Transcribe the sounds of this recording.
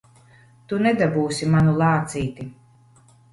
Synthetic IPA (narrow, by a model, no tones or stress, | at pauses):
t̪unɛd̪abuːsimanulˠɑːt̪siːt̪i